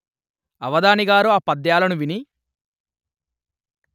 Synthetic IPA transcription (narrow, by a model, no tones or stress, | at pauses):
ɐʋɐd̪aːniɡaːɾuaːpɐd̪jaːlɐnuʋini